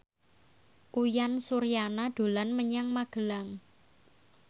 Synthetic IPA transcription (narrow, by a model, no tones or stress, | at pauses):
kujansuɾjanaɖ̪̥o̤lanməɲaŋmaɡ̥ə̤laŋ